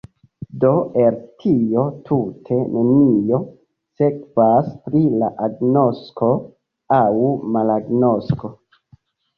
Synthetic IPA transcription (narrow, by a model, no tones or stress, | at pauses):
do̞ʔe̞ɾtʰijo̞tʰutʰe̞nʔe̞nijo̞ | se̞kvaspɾila̰ʔaɡno̞skʰo̞ | awmalaɡno̞sko̞